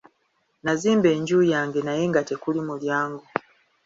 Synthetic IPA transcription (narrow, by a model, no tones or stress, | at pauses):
naziːmbe̞ːɲɟuːjaːŋɡe̞naje̞ŋɡate̞kulimuljaːŋɡo